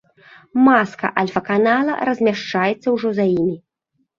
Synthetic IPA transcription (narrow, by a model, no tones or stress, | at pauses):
maskɐ̰ʔɐlʲfɐkanalˠɐ̰ɾɐzʲmʲaʂt͡ʂajɛt̪sːɐwʐɔzajimʲi